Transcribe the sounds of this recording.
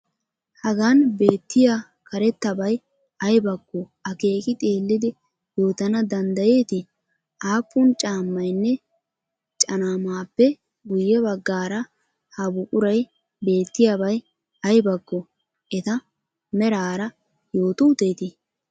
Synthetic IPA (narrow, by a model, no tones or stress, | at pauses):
hɐɡanbe̞ːt̪ːɪja | kɐɾɛt̪ːɐbɐj | ɐjbɐɡːɔ | ɐke̞ːkʼɪt̪ʼe̞ːlːɪd̪ɪ | joːt̪ɐnɐd̪ɐnd̪ɐje̞ːt̪ɪ | ʔaːpːʊnt͡ʃʼaːmːɐjnːɛ | t͡ʃʼɐnaːmaːpːɛ | ɡʊjːɛβɐɡːaːɾɐ | hɐbʊkʼʊɾɐj | be̞ːt̪ːɪjabɐj | ɐjbɐɡːɔ | ʔɛt̪ɐ | mɛɾaːɾɐ | jo̞ːt̪ʊt̪e̞ːt̪ɪ